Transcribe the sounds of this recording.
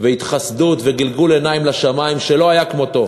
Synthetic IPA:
veit̪χasd̪ut̪veɡilɡule̞naimlaʃamaimʃelo̞ajakmo̞t̪o̞

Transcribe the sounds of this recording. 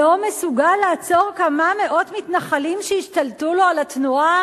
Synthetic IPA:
omesuɡalːaːt͡so̞ʁkamame̞ʔo̞tmitnaχalimʃeiʃtaltuloalatnua

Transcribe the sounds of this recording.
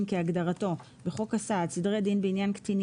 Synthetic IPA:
mkeaɡdaʁato̞ | beχo̞kasadsidʁedinbeinjankt̪in

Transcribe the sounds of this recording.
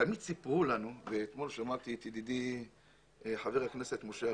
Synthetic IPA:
t̪amid̪̚sipʁulanuveːt̪mo̞lʃamaʁt̪it̪id̪id̪i | ħaveʁaknese̞t̪moʃe

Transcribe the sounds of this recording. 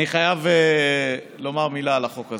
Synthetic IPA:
iχajave | lo̞maʁmilalaχo̞kaz

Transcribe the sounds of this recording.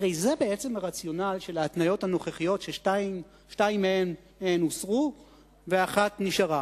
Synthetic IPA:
aʁejzebe̞et͡se̞maʁat͡sjo̞nalʃe̞laːt̪najo̞thano̞χeχijo̞tʃeʃtaim | ʃtaimːeenː | eenusʁu | veaχatniʃaʁa

